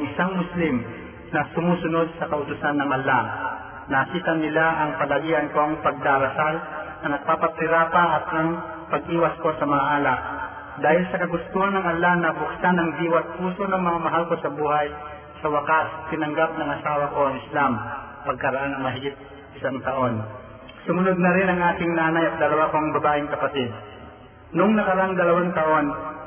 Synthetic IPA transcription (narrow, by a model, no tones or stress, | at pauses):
ŋʔɪsaŋmʊslɪm | nɐsʊmuːsʊnod̪̚sɐkɐʔʊt̪ʊsanːɐŋʔalːa | nɐkiːt̪anːɪlaʔɐŋpɐlɐɡiːʔankoŋpɐɡ̚d̪aɾɐsalnɐnɐɡ̚papat̪ɪɾapaʔɐt̪ʔɐŋ | pɐɡʔiːwɐskosɐmɐŋaʔaːlaʔ̚ | d̪aːhɪlsɐkɐɡʊst̪uːhanɐŋʔɐlːanɐbʊksanɐŋd̪iːwat̪̚puːsonɐŋmɐŋamɐɦalkosɐbuːhaj | sɐwɐkat̪ɪnɐŋɡap̚nɐŋʔɐsaːwɐko̞ɐŋɪslam | pɐɡ̚kɐɾɐʔanɐŋmɐɦɪɡɪp̪̚ | ʔɪsaŋt̪ɐʔo̞n | sʊmʊnod̪̚nɐɾɪnɐŋʔaːt̪ɪŋnaːnajɐt̪̚d̪ɐlɐwakoɐŋbɐbaːʔɪŋkɐpɐt̪ɪd̪̚ | nʊŋnɐkɐɾɐaʔaŋd̪ɐlɐwaŋt̪ɐʔo̞n